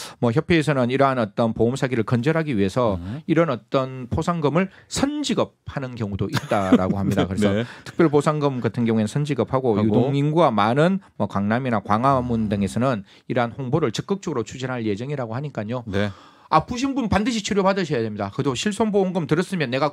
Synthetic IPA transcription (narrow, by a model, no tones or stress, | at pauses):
mʌçjʌpʰeːsʰʌnɯniɾɦanʌt͈ʌnpoomsʰaɡiɾɯɭkʌnd͡ʑʌɾɦaɡiɥiɦe̞sʰʌiɾʌnʌt͈ʌnpʰosʰaŋɡɯmɯɭsʰʌnd͡ʑiɡʌp̚hanɯnkjʌŋudoʔit̚t͈aɾaɡohamɲidakɯɾesʰʌtʰɯ̥k̚p͈jʌɭposʰaŋɡɯmkatʰɯnɡjʌŋue̞nɯnsʰʌnd͡ʑiɡʌp̚ʰaɡojudoŋiŋɡuamanɯnmʌkwaŋnaminakwaŋamundɯŋe̞sʰʌnɯn | iɾʌɦanɸoŋboɾɯɭt͡ɕɯk͈ɯk̚t͡ɕ͈ʌɡɯɾot͡ɕʰud͡ʑinɦaɭje̞d͡ʑʌŋiɾaɡohaɲik͈aɲo | apuɕ̬ʰinbunpandɯɕʰit͡ɕʰuɾjopadɯɕʰʌjadwe̞mɲidakɯdoɕʰiɭs͈ʰomboɦoŋɡɯmtɯɾʌs͈ɯmjʌnːe̞ɡa